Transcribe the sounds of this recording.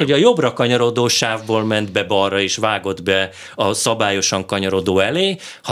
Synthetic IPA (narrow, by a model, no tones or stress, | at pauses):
oɟɒjo̞brɒkɒɲɒɾo̞d̪oːʃaːvboːlmɛnd̪bɛbɒrɒeːʃʋaːɡo̞d̪bɛ | ɒsɒbaːjo̞ʃɒŋkɒɲɒɾo̞d̪oːɛleː | h